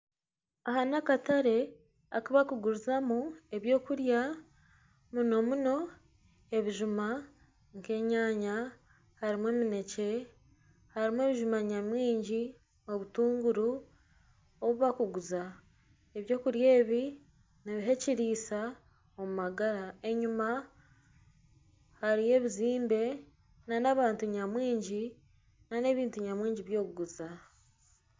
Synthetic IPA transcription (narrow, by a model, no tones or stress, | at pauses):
ahanakataɾe̞ | akaβakuɡuɾuzamue̞βjo̞ːkuɾja | muno̞muno̞ | e̞βiʒuma | ŋke̞ːɲaːɲa | haɾimwe̞ːmine̞ce̞ | haɾimwe̞ːβiʒumaɲamwiːɲɟi | o̞βutuːŋɡuɾu | oβuβakuɡuza | eβjo̞ːkuɾje̞ːβi | neβiɦe̞ciɾiːsa | omumaɡaɾae̞ɲuma | haɾije̞βiziːmbe̞ | nanaβaːntuɲamwiːɲɟi | nane̞βiːntuɲamwiːɲɟiβjo̞ːkuɡuza